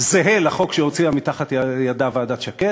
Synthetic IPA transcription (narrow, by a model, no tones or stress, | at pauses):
zeɦelaχo̞kʃeo̞t͡siamit̪aχat̪jajadavadat̪ʃake